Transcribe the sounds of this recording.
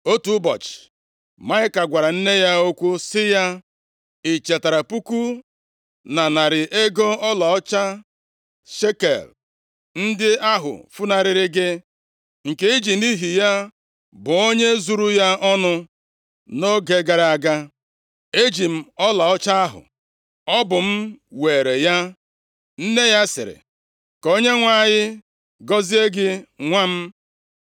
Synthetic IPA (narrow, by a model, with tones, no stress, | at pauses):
o˦tu˨˦bɔ̰˨t͡ʃɪ̥˨ | ma˦ɪ˦ka˨ɡʷa˨ɾa˨n̩˦ne˦ja˦o˦kʷu˦sɪ˦ja˦ | i˨t͡ʃe˨ta˨ɾa˨pu˦ku˦ | na˨na˨ɾɪ˨ʔe˦ɡo˦ɔ˦la˨ɔ˦t͡ʃa˦ | ʃe˦kḛ˨l | n̩˦dɪ˦a˦ɦʊ̰˨fu˦na˨ɾɪ˨ɾɪ˦ɡɪ˦ | ŋ̩˨ke˦i˦d͡ʒi˨ni˦ɦi˨ja˦ | bʊ˨o˦ɲe˦zu˨ɾu˦ja˦ʔɔ˦nʊ˦ | no˦ɡe˨ɡa˨ɾa˨ɡa˦ | e˦d͡ʒi˨m̩˨ɔ˦la˨ɔ˦t͡ʃa˦a˦ɦʊ̰˨ | ɔ˦bʊ˨m̩˦weː˨ɾe˨ja˦ | n̩˦ne˦ja˦sɪ̰˨ɾɪ̰˨ | ko˦ɲe˦ŋʷa˦˨ɲɪ˦ | ɡɔ˦zi˦e˦ɡɪ˦ŋʷa˦m̩˦